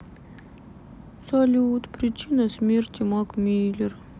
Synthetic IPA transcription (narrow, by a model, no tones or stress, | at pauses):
sɔlʲut̪pɾʲɪt͡ɕinɐsʲmʲerʲt̪ʲimɑkmʲiːlʲɪr